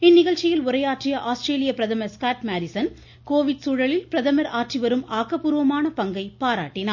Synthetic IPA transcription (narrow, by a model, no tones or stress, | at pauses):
ɪnːɪɣɐɭt͡ʃːɪjɪlʊɾɐjaːʈrɪjɐʔaːsʈɾeːlɪjɐpɪɾɐðɐmɐɾskaːʈmaːɾɪsɐn | koːʋɪʈsuːɻɐɭɪlpɾɐðɐmɐɾaːʈriʋɐɾɯmaːkːɐpːuːɾʋɐmaːnɐpɐŋɡɐɪpaːɾaːʈːɪnaː